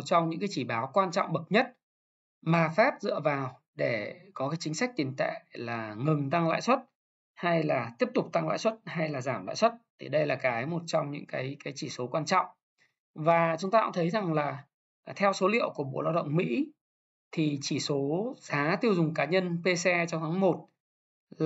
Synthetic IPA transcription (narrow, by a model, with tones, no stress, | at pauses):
t̚t͡ɕɔ˧wŋ͡mɲɨ̰˧˥ŋkaː˨˦jt͡ɕi˧˩ɓaː˨˦wkwaː˧nt͡ɕɔ̰˧˨wŋ͡mɓə˨˩k̚ɲə˦˥t̚ | maː˨˩faː˦˥p̚zɨ̰˧˨əvaː˨˩w | ɗe˧˩kɔ˨˦kaː˨˦jt͡ɕï˨˦ŋsa˦˥k̟̚t̪i˨˦nt̪a̰ː˧˨jlaː˨˩ŋɨ˨˩ŋt̪a˧ŋla̰ː˧˨jswə˦˥t̚ | ha˧jlaː˨˩t̪i˦˥əp̚t̪ʊ˨˩k͡p̚t̪a˧ŋla̰ː˧˨jswə˦˥t̚ha˧jlaː˨˩zaː˧˩mla̰ː˧˨swə˦˥t̚t̪ʰḭ˨˩ɗə˧jlaː˨˩kaː˨˦jmo˨˩t̚t͡ɕɔ˧wŋ͡mɲɨ̰˧˥ŋkaː˨˦jkaː˨˦jt͡ɕi˧˩so˨˦kwaː˧nt͡ɕɔ̰˧˨wŋ͡m | vaː˨˩t͡ɕʊ˨˦ŋ͡mt̪aː˧ʊ̰˧˥ŋ͡mt̪ʰə˨˦jza˨˩ŋlaː˨˩ | t̪ʰɛ˧wso˨˦lḭ˧˨əwku˧˩ɓo̰˧˩˨laː˧wɗə̰˧˨wŋ͡mmḭ˧˥ | t̪ʰi˨˩t͡ɕi˧˩so˨˦zaː˨˦t̪i˧əwzʊ˨˩ŋ͡mkaː˨˦ɲə˧npe˧sɛ˧t͡ɕɔ˧wŋ͡mt̪ʰaː˨˦ŋmo˨˩t̚ | l